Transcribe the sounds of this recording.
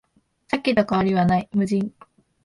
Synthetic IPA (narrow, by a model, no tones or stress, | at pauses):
sakʲːid̪okaaɾʲiβanaimɯ̟d͡ʑĩŋ